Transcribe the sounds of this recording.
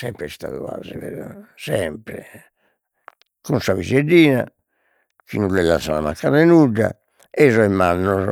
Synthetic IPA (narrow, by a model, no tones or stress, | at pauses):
sɛmpɾɛst̪a̰ðuva̰zɛvɛɾasɛmpɾɛ | kunsavized̪iːna | kinulɛlasanamakːaɾɛnuɖːa̰ | ɛzɔɛmːanːɔ